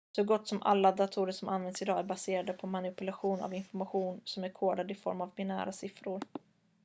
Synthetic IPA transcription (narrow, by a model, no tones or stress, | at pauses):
sɔɡɔt̪ːsɔmʔa̰lːad̪at̪ʰuːɾəʂɔmʔanvɛnd̪sɪd̪ɑːæɾbaseːɾad̪əpʰɔmanɪpɵlaɧuːna̰vɪnfɔɾmaɧuːnsɔmæɾkʰoːɖ̪ad̪ɪfɔ̰ɾmavbɪnæ̰ːɾasɪfɾʊɾ